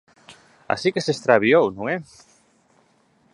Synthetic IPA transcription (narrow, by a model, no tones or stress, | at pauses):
a̰sikesest̪ɾaβiownũŋɛ